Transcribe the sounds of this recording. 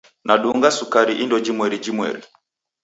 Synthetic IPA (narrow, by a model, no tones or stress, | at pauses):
naɗuŋɡasukaɾiʔindɔd͡ʒimwɛɾid͡ʒimwɛ̰ɾi